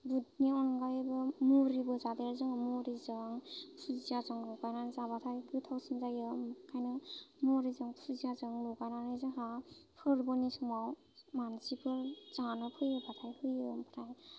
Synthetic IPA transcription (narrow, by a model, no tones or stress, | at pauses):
but̚niɔnɡajbɯmuɾibɯzadeɾzɯŋmoɾizɯŋpʰuzijazɯŋlɔwɡajnanzabatʰajɡɯtʰawsɯnzajɯmkʰːajnɯmɔɾizɯŋpʰuzijazɯŋlɔɡajnanɯjzɯɦapʰɯɾbɔnisumaw | mansipʰɯɾz̥anɔpʰɯjɯbʰatʰajhɯjɯmpʰɾaj